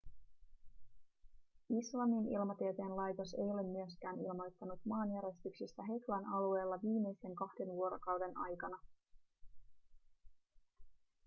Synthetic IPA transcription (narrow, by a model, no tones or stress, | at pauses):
islɑminḭlmɑt̪iet̪eːnlɑjt̪o̞sḛjo̞le̞mːyøskæːnḭlmo̞jt̪ːɑnut̪mɑːnjæɾje̞st̪yksist̪æɦe̞k̪lɑnʔɑlue̞ːlːɑʋiːme̞jse̞ŋkɑhde̞nʋuo̞ɾo̞kɑwde̞nʔɑ̰jkɑnɑ